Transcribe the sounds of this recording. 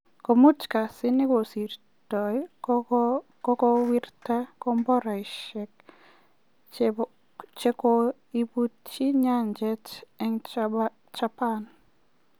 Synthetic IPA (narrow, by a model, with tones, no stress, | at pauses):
ko˨mu˦t͡ʃka˨sɪ˦nɪ˦ko˨si˨r | tɔ˨j | kɔ˦kɔ˦wi˦rta˦kɔ˦mbɔ˦ɾa˨i˨ʃɛ˨k | t͡ʃe˦ko˦ | i˦bu˦t̚t͡ʃi˦ɲa˦nd͡ʒɛ˦t͡ʃɛ˦ŋ | t͡ʃa˦pa˦n